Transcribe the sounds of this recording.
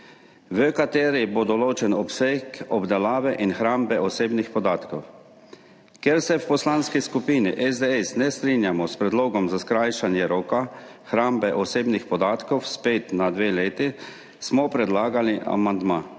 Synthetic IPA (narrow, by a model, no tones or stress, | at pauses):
ʋəkat̪eːɾibod̪ɔloːt͡ʃɛnɔpsekɔbd̪ɛlaːʋɛʔinxɾaːmbɛʔɔseːbnixpɔd̪aːt̪kɔw | kjeɾsɛwpɔslanskiskupiːnḭʔɛzd̪eɛsnɛst̪ɾiːnjamɔspɾɛd̪loːɡɔmzaskɾajʃanjɛɾoːkaxɾaːmbɛʔɔseːbnixpɔd̪aːt̪kɔwspeːt̪nad̪ʋeːleːt̪i | smɔpɾɛd̪laːɡaliʔa̰mand̪maː